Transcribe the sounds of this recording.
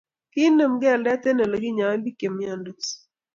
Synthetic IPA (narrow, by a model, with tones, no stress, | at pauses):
kɪ˦nə˨mɡɛ˦˨ldɛ˦te˦nɛ˨lo˨ɡi˦ɲa˨wa˦mbi˦ke˨mja˦ndo˨s